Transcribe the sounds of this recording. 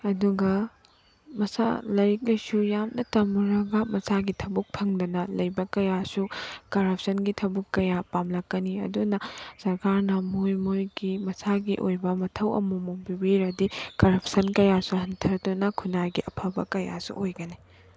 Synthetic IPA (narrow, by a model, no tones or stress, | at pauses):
ɐduɡɐ | mɐsa̰lɐɾik̚lɐjsujamnɐtɐmuɾɐɡɐmɐsaɡitʰɐbuk̚pʰɐŋdɐnɐlɐjbɐkɐjasukɐɾɐp̚ʰsɐnɡitʰɐbukːɐjapamlɐkːɐniɐ̰dunɐsɐɾkaɾnɐmojmojɡimɐsaɡiʔo̰jbɐmɐtʰɐwɐ̰mumoŋbiwiɾɐdikɐɾɐp̚ʰsɐnkɐjasuhɐntʰɐɾdunɐkʰunajɡiʔɐpʰɐbɐ̰kɐja̰sṵʔojɡɐni